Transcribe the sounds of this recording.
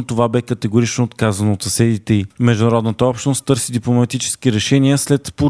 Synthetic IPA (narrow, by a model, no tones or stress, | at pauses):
t̪ovabɛkət̪ɛɡoɾit͡ʃnoːt̪kazənoot̪sɐsɛd̪it̪ɛimɛʒd̪ʊnɐɾɔd̪nət̪əɔpʃt̪nost̪t̪ɤɾsid̪iplˠomɐt̪it͡ʃɛ̥skiɾɛʃɛniəslɛt̪po